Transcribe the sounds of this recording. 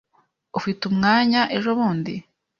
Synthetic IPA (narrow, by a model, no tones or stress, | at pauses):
ufitumŋaːɲaʔe̞ʒoβuːndḭ